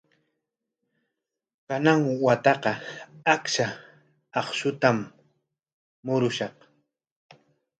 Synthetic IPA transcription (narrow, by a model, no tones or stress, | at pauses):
kanaŋwat̪ɑqɑakʃa | ɑχʃʊt̪am | ʊɾʊʃɑq